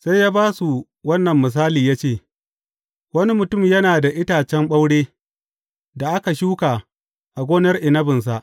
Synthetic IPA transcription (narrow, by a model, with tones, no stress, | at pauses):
sa˦jjaː˦baː˦su˨ | wɐ˦nːɐ˨mːɪ˨s̬aː˦liː˨jaː˦t͡ʃeː˦˨ | wɐ˦ni˦mʊ˨tʊ˦˨mjɐ˦naː˨da˨ʔɪ˦taː˨t͡ʃɛ˦mɓa˦wɽeː˦ | da˨ʔa˦ka˨ʃuː˦kaː˨ | ʔa˨ɡʷoː˦nɐ˦rʔɪ˨nɐ˦bɪ˨ns̬a˨ʔ